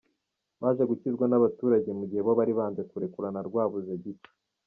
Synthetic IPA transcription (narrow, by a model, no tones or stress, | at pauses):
βaːʒeɡucizɡwanaβatuːɾaɟe̞muɟihe̞βoβaɾiβaːnze̞kuɾekuɾanaɾɡwaːβuzeɟit͡ʃe̥